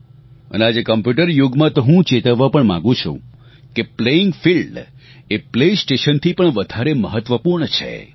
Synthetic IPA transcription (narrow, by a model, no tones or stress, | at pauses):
ə̰nead͡ʒekəmpjuʈəɾjoɡmãt̪oɦũt͡ʃet̪əʋʋːapəɳmã̰ŋɡũt͡ʃʰṵ̃ | kepleɪŋɡfilɖ | eplesʈeʃənt̪ʰipəɳʋəd̪ʱaɾeməɦət̪ʋəpuɾɳt͡ʃʰḛ